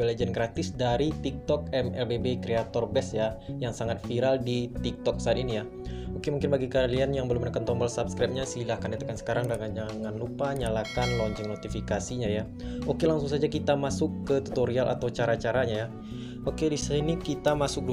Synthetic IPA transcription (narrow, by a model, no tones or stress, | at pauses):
eled͡ʒɛnɡɾat̪ɪsdaɾit̪ik̚t̪ɔk̚ɛmɛlbebekɾeat̪ɔrbɛsjajaŋsaŋat̪̚fiɾaldit̪ik̚t̪ɔk̚saat̪̚inija | okemuŋkɪnbaɡikalianjaŋbəlʊmənakant̪ɔmbəlsapskɾap̚ɲasilahkanat̪əkansə̥kaɾaŋdaŋad͡ʒaŋanlupaɲalakanlɔɲt͡ʃɪŋnot̪ifikasiɲaja | okelaŋsuŋsad͡ʒakit̪amasʊkːət̪ut̪oɾialʔa̰t̪awt͡ʃaɾat͡ʃaɾaɲaja | ʔokedissainikit̪amasʊk̚du